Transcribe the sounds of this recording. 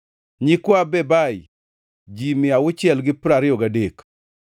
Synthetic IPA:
ɲɪkwabɛbaj | d͡ʒimɪawʊt͡ʃɪɛlɡɪpɾaɾɪjɔɡadek

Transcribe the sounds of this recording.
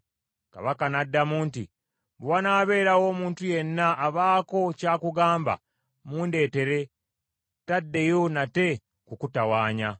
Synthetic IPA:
ka̰βakanadːamuːntḭ | bwanaːβe̞ːɾawo̞ːmuːntuje̞nːaʔːβaːko̞caːkuɡaːmba̰ | muːnde̞ːte̞ɾe̞ | tadːe̞jo̞nate̞ | kukutawaːɲa

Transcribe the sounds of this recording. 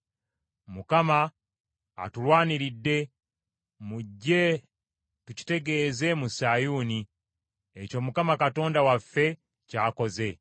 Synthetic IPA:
mukama̰ː | tulwaːniɾidːe̞ | muɟːe̞ | tuci̥te̞ɡe̞ːze̞musajuːni | eco̞ːmukamakato̞ːndawafːe̞ | caːko̞ze̞

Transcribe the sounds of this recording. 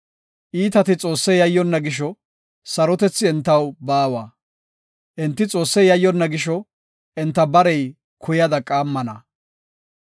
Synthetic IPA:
ʔiːt̪ɐt̪ɪt͡sʼo̞ːsːɛjɐjːɔnːɐɡɪʃɔ | sɐɾɔt̪ɛt͡sːɪɛnt̪ːɐwbaːwaː | ʔɛnt̪ːɪt͡sʼo̞ːsːɛjɐjːɔnːɐɡɪʃɔ | ʔɛnt̪ːɐbɐɾɛj | kʰʊjɐd̪ɐkʼaːmːɐnɐ̰

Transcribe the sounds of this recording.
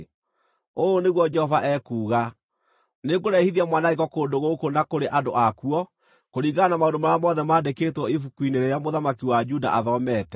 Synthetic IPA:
oːneɣwɔd͡ʒɛhɔvaʔɛkuːɣa | neɡoɾɛhiðiamwanaikɔkoːndoɣokonakoɾeʔadoʔakuɔ | koɾiːɣanamaondomaɾamɔðɛmaːdeketwɔifukwineɾɛjamoðamakiwad͡ʒuda̰ʔaðɔmɛtɛ

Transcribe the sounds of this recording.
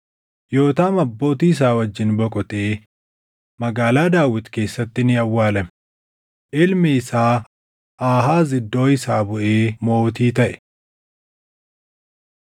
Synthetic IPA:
jo̞ːt̪aːmɐbːo̞ːt̪iːɪs̬aːwɐd͡ʒːɪnbɔkʼɔt̪eː | mɐɡaːlaːd̪aːwɪt̪ke̞ːsːɐt̪ːɪnɪɐwːaːlɐm | ʔɪlmɪɪsaː | ʔaːɦaːzɪd̪ːo̞ːɪsaːbʊʔeːmo̞ːt̪iːt̪ɐʔɛ̥

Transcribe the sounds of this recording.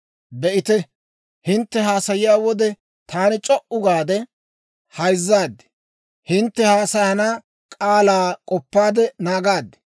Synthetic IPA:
bɛʔɪt̪ɛ | hɪnt̪ːɛɦaːsɐjɪjaːwɔd̪ɛ | t̪ʰaːnɪt͡ʃʼɔʔʊɡaːd̪ɛ | hɐjzːaːd̪ɛ̥ | hɪnt̪ːɛhaːsɐjɐnaː | kʼaːlaːkʼɔpːaːd̪ɛnaːɡaːd̪ːɛ̥

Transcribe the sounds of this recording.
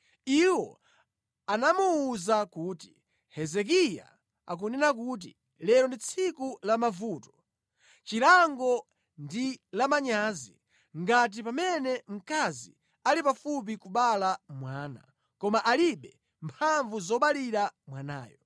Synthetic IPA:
iwɔ | anamuuzakuːti̥ | hɛzɛk̬ija̰ | a̰k̬unɛnak̬uːt̬ḭ | lɛɾɔndit͡sʰikulamavuːtɔ̥ | t͡ʃiɾaŋɡɔ | ndilamaɲaːzḭ | ŋɡat̬ipamɛnɛm̩kazḭ | alipafup̬ikuɓalamwaːna̰ | kɔmaʔaliɓɛ | mpʰaɱvuzɔɓaliɾamwana̰ːjɔ

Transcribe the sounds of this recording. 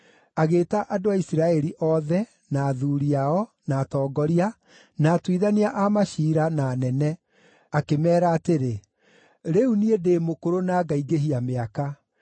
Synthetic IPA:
aɣeːtaʔadoaisiɾaɛɾiʔɔðɛ | naːðuɾiaɔ | naːtɔːɡɔɾia | naːtwiðaniaʔamaʃiːɾananɛnɛ | akemɛːɾaːteɾe | ɾeuniedeːmokoɾonaːɡaiɡeɦiameaka

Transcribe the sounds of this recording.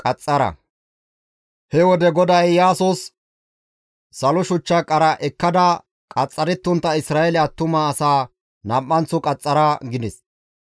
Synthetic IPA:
kʼɐt͡sʼːɐɾɐ̰ | hɛwɔd̪ɛɡɔd̪ɐjːaːsʊs | ɐlʊʃʊt͡ʃːɐkʼɐɾɐʔɛkːɐd̪ɐ | kʼɐt͡sʼːɐɾɪt̪ːʊnt̪ːɐɪsɾaːjɛlɛɐt̪ːʊmaːsaː | nɐmpʼːɐnt͡sːʊkʼɐt͡sʼːɐɾɐɡɪd̪ɪs

